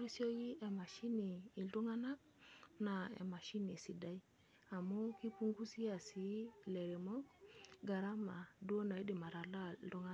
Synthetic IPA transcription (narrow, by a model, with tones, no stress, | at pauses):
ɾi˦sjo˦ji˦e˨ma˨ʃi˦niː˨ldu˦ŋa˦na˦k̚ | na˨ḛ˨ma˨ʃi˦ni˨si˨da˦i˦ | a˨mu˦ki˦pu˦ŋɡu˦si˦a˨si˦le˨ɾe˨mo˦k̚ɡa˨ɾa˦ma˨du˦o˦na˨i˦di˨ma˨ɾa˨la˦ldu˦ŋa˦